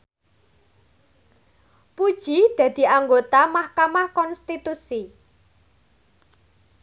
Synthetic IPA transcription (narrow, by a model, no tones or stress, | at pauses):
pud̥ʒ̥i̤d̪̥ä̤d̪̥i̤ʔaŋɡot̪amahkamahkɔnst̪it̪usi